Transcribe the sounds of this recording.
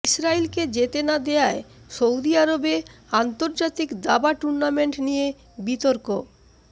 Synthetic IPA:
isɾailked͡ʑet̪enad̪eaeʃowd̪iaɾobeant̪oɾd͡ʑat̪ikd̪abaʈuɾnameɳʈnije | bit̪oɾko

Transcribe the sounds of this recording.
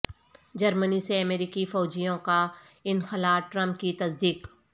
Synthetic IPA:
d͡ʒɐɾməniseɐmeːɾiːkifɔːd͡ʒijõka | ɪnxɪlaːʈɾɐ̃mp̚kit̪ɐsd̪iːk

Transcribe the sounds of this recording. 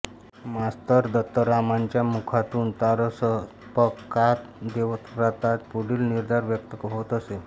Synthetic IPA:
mast̪əɾd̪ət̪ːəɾamaɲt͡ɕjamukʰat̪uːnt̪aɾəsə | pəkːat̪d̪eʋət̪ɾat̪at̪puɽiːlniɾd̪ʱaɾʋjək̚t̪əkəɦot̪əse

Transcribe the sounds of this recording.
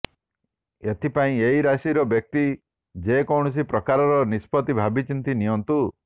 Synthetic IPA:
et̪ʰipaĩeiɾasiɾɔbjɔk̚t̪i | d͡ʒekɔwɳ̃ɔs̬ipɾɔkaɾɔɾɔnispɔt̪ibʱabit͡ʃint̪inijɔnt̪u

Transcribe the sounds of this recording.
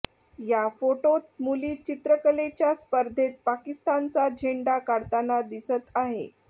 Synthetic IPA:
jafoʈot̪̚muliːt͡ɕit̪ɾəkəlet͡ɕjaspəɾd̪ʱet̪̚pakist̪ant͡sad͡ʑʱeɳɖakaɽt̪anad̪isət̪aɦḛ

